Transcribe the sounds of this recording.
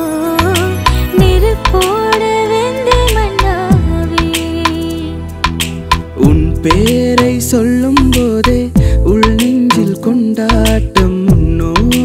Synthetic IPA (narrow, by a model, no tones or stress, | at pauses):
nɪɾɯkːoːɽɐʋend̪emɐɳɖamoʋi | ʔʊnpeːɾɐɪsɔlːɯmpoːðeːʊɭniɲd͡ʒɪlkɔɳɖaːʈːɐmːʊnːoː